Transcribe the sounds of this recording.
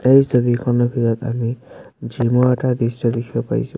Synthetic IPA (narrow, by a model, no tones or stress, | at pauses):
ejsɔbikʰɔnɔbʱizɔt̪a̰mi | d͡ʒimɔɛtad̪isɔd̪ekʰibɔpa̰j̰sʊ